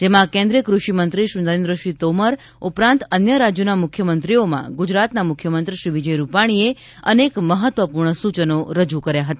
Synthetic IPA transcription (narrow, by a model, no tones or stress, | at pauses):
d͡ʒemãkẽnd̪ɾiəkɾuʃimənt̪ɾiʃɾinəɾẽnd̪ɾəʃit̪oməɾ | upɾãnt̪ənjəɾad͡ʒjonamukʰjəmənt̪ɾiomã̰ɡud͡ʒɾat̪namukʰjəmənt̪ɾiʃɾiʋid͡ʒəjɾupaɽ̃ie | ənekməɦət̪ʋəpuɾɳəsut͡ʃənoɾəd͡ʒukəɾjaɦət̪a